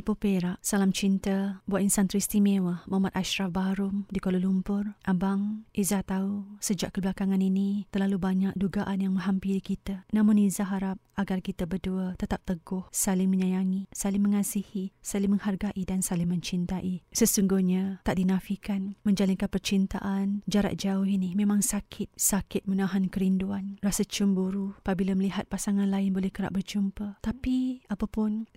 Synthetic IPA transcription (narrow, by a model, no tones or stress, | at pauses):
ipopeɾaʔsalamt͡ʃint̪abuat̪insant̪ɾist̪imewəmamat̪̚aʃɾafbaɾʊmdikololumpʊrʔabaŋʔizat̪ausəd͡ʒaʔkəblakaŋaninit̪ərlalubaɲak̚duɡaʔanjaŋmə̃ɦampiɾikit̪anãmʊnizaɦaɾap̚aɡarkit̪abərduət̪ət̪ap̚t̪əɡʊhsalɪŋməɲajaŋisalɪŋməŋasihisalɪŋməŋharɡaʔidansalɪŋmə̃ɲt͡ʃint̪aʔisəsuŋɡuhɲat̪aʔdinafikanməɲd͡ʒalinkanpərt͡ʃint̪a̰ʔand͡ʒaɾa̰ʔ̪̚d͡ʒaʊɦinihmemaŋsakʰɪt̪̚sakɪt̪̚mənaɦankəɾinduanrasat͡ʃumbuɾuapabilaməliɦat̪̚pasaŋanlaɪnbolɛhkəɾa̰ʔ̚bərd͡ʒumpat̪apiapapʊn